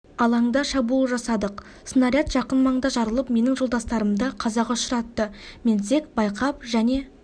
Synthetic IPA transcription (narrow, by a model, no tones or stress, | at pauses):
ɑlˠɑɴd̪ɑʃɑbuəʒɑsɑd̪əq | sənɑɾijɑt̪ʒ̥ɑqənmɑɴd̪ɑʒɑɾəlˠəpme̞nɪŋʒolˠd̪ɑst̪ɑɾəmd̪ɑqʰɑzɑqɑʊʃəɾɑt̪ːəme̞nze̞kbɑjqʰɑp̚ʒæne̞